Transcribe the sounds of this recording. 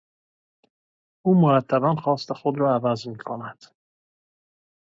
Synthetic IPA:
umoɾat̪ʰːabanχɔːst̪eχʊd̪ɾɔavazmiːkʰɔnad̪̥

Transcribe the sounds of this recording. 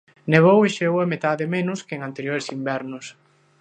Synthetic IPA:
neβ̞oweʃeowɐmet̪aðɪmenʊskeeŋant̪eɾjoɾesimbɛɾnʊs

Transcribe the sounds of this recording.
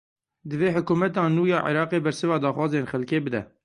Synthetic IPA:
d̪ɨveːħʊkuːmɛt̪ɑːnuːjɑːʕḭɾɑːqeːbɛɾsɨvɑːd̪ɑːxwɑːzeːnxɛlkeːbɨd̪ɛ̰

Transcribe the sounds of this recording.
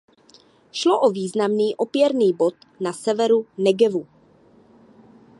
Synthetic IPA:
ʃloʔoviːznamniːʔopjɛɾniːbo̞t̪ | nasɛvɛɾunɛɡɛvu

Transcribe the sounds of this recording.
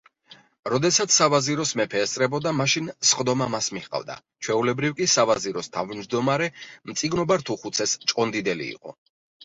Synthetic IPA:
ɾɔd̪ɛsat̪sʰsːavaziɾɔsmɛpʰɛːst̪ʼɾɛbɔd̪amaʃinsχd̪ɔmamasmiχqʼa̰vd̪a̰ | t͡ʃʰwɛulɛbɾivkʼisavaziɾɔst̪ʰavmd͡ʒd̪ɔmaɾɛmt̪sʼiɡnɔbaɾt̪ʰuχut̪sʰɛst͡ʃʼqʼɔnd̪id̪ɛlḭːqʼɔ̰

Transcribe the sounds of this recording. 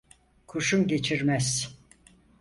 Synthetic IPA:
kʰuʃumɟe̞t͡ʃʰiɾmæz̥

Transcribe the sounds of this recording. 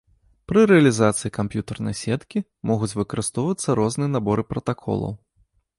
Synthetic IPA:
pɾɨɾɛɐlʲizat̪sɨikampʲjut̪ɐrnɐ̰jsʲɛt̪kʲi | mʔɔɣut͡sʲvɨkɐɾɨst̪ɔwvɐt̪sːɐɾɔznɨjɛnabɔɾɨpɾɐt̪akʰɔ̰lˠɐ̰w

